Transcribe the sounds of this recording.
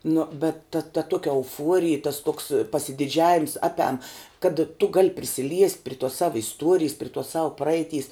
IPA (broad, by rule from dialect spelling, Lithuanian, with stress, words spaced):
nʊ bʲɛt tɐ tɐ ˈtuɔkʲɛ ɛʊˈfuɔrʲɪj tɐs toːks pɐsʲɪdʲɪˈd͡ʒʲæːʋʲɪms ˈɑːpʲɛm kɐt tʊ ɡɐlʲ pʲrʲɪsʲɪˈlʲiɛsʲtʲ pʲrʲɪ tuɔs ˈsɑːʋɐ ɪsˈtuɔrʲɪjs pʲrʲɪ tuɔs sɐʊ ˈprɐɛɪˌtʲiːs